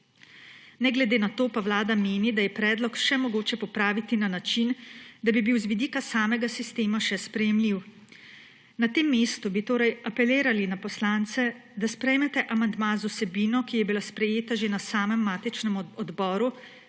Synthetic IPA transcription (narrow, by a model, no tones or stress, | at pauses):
nɛɡlɛd̪eːnat̪oːpawlaːd̪ameːnid̪ajɛpɾɛːd̪lɔkʃɛmɔɡoːt͡ʃɛpɔpɾaːʋit̪inanat͡ʃind̪abibiwzʋid̪iːkasaːmɛɡasist̪eːmaʃɛspɾɛjɛmliw | nat̪eːmːeːst̪ubit̪oːɾɛjapɛleːɾalinapɔslant̪sɛ | d̪aspɾɛjmɛt̪ɛʔamand̪mazusɛbiːnɔkijɛbilaspɾɛjeːt̪aʒenasaːmɛmːaːt̪it͡ʃnɛmɔd̪bɔːɾu